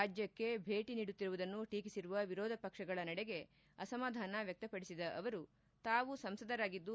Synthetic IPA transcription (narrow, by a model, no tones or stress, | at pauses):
aːd͡ʒjɐkːe̞bʱe̞ːʈiniːɽut̪ːiɾuʋud̪ɐnːuʈiːkisiɾuʋɐʋiɾɔːd̪ʱɐpɐkʂɐɡɐɭɐnɐɽeɡe̞ | ɐsɐmaːd̪ʱaːnɐʋjɐk̚t̪ɐpɐɽisid̪ɐʔɐʋɐɾu | t̪aːʋusɐmsɐd̪ɐɾaːɡid̪ːu